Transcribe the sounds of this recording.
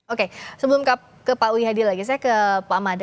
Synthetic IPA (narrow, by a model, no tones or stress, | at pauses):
okesəbəlʊmka | kəpauiɦadilaɡis̬ajakəpamad